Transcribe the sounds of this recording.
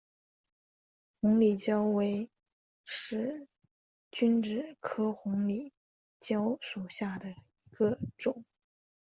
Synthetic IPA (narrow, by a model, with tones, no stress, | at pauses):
xʊ˧˥ŋli˨˩t͡ɕjɑ˥ʊwe˧˥ɪ | ʂɻ̩˧˥ | t͡ɕy˥nʈ͡ʂɻ̩˥˩kʰɤ˥xʊ˧˥ŋli˨˩˦ | t͡ɕjɑ˥ʊʂu˨˩ɕja˥˩d̪ə˩i˧˥ɡ̥ə˧ʈ͡ʂʊ˨˩˦ŋ